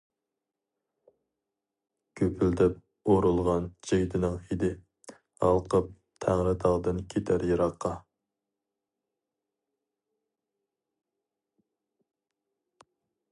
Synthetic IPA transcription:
kʲʰøpʰyld̪ɛp̚ | oɾulˠʁɑnd͡ʒejd̪ʰɪnɪŋid̪ɪ | ɑ̰lˠqʰəp̚ | t̪ʰæŋɾɪt̪ʰɑʁd̪ɨnkʲʰet̪ʰæɾjɑɾɑqʰːɑ

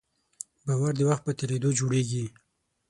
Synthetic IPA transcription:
bawaɾd̪əwaxt̪̚pət̪eɾed̪od͡ʒoɽeɡi

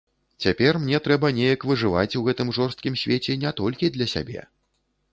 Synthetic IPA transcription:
t͡sʲapʲɛrmnʲɛt̪ɾɛbɐnʲɛjɐkvɨʐɨva̰t͡sʲuɣɛt̪ɨmʐɔrst̪kʲimsʲvʲet͡sʲɛnʲɛt̪ɔlʲkʲid̪lʲɐsʲa̰bʲɛ̰

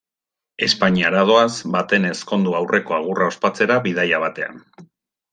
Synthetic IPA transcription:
e̞spaɲiaɾað̞o̞azbat̪e̞ne̞sko̞nd̪uawrʔe̞ko̞aɣ̞urʔao̞spat͡se̞ɾaβiðajaβ̞at̪e̞a̰n

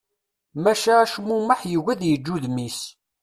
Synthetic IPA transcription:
mæʃaæʃmuməħjəɣæðjəd͡ʒːuðmis

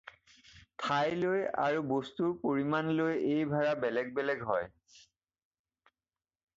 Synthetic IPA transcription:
tʰajloja̰ɹubostuɹpoɹimanlojejbʱaɹabɛlɛɡ̚bɛlɛɡɦɔj

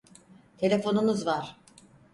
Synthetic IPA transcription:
t̪ʰe̞lʲe̞fo̞nunuzvaɾ̥

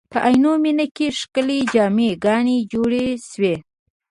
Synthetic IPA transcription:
pəʔajnominəkeʂkəled͡ʒɑmeɡɑned͡ʒoɽeʃwe

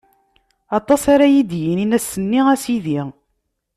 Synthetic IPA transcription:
ɑt̪ˤɑsaɾæjid̪jininæsːənːiʁæsiðiʁ

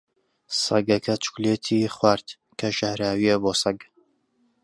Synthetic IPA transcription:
sɐ̰ɡɐkʰɐt͡ʃʰu̥kleːt̪ʰiːχwaːɾt̪ | kʰɐʒahɾaːwiɐboːsɐɡ

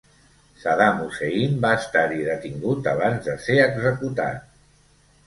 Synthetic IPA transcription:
saðamuseimbaəst̪aɾiðət̪iŋɡut̪a̰β̞anzðəseəɡzəkut̪a̰t̪̚

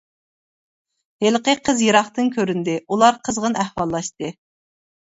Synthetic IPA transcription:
helqəqʰəzjeɾɑχt̪ɨnkʲʰøɾynd̪ɪulˠɑɾqʰəzʁənæhwɑlˠːɑʃt̪ɨ

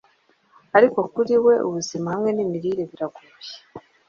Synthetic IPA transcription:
aɾiko̞kuɾiwe̞ʔṵβuzimahamŋe̞nimiɾiɾe̞βiɾaɡuje̥

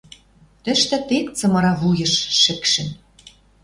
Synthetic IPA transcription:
t̪ɘ̆ʃt̪ɘ̆t̪ekt͡sɤ̆mɤ̆ɾɑβujɤ̆ʃʃɘ̆kʃɘ̆n

